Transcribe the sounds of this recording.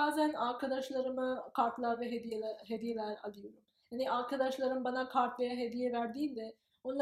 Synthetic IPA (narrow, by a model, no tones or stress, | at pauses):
aːzænaɾkʰad̪aʃlˠaɾɯmɯkʰaɾt̪lˠaːvɛɦeiɦed̪ijelʲæɾa̰lˠɯjoɾum | janiʔaɾkʰad̪aʃlˠaɾɯmbanakʰaɾt̪vejaɦed̪ijɛvæɾd̪iːlʲd̪ɛ | onlˠ